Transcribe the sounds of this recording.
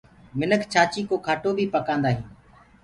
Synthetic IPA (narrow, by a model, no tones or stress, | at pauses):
mɪnəkʰt͡ʃʰaːt͡ʃiːkoːkʰaːʈoːbʱiːpəkãːnd̪aːɦĩː